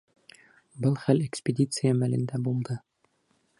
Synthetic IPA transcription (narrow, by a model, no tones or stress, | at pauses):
bɤlˠχælekspʲedʲit̪sɨjamælɘ̆nd̪æbulˠd̪ɤ